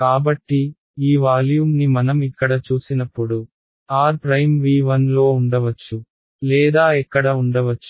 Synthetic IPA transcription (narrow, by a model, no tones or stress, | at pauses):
kaːbɐʈːi | iːʋaːljuːmnimɐnɐmikːɐɽɐt͡ʃuːsinɐpːuɽu | aːɾpɾɐjmʋiːʋɐnlo̞ːuɳɖɐʋɐt͡ʃːu | lɛːd̪aːɛkːɐɽɐuɳɖɐʋɐt͡ʃːu̥